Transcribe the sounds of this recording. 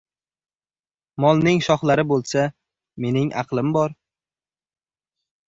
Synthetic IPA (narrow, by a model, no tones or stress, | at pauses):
mɒlˠnɪŋʃɒχlaɾɪbolˠsa | me̞nɪŋʔɑ̰qlˠɪmbɒɾ